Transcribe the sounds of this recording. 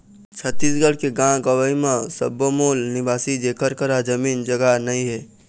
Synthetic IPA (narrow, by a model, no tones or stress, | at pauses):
t͡ʃʰət̪ːiːs̬ɡəɽkeɡãɡəʋəimãsə̰bəmoːlnɪbaːsid͡ʒeːkəɾkəɾad͡ʒəmiːnd͡ʒɐɡanəĩɦɛː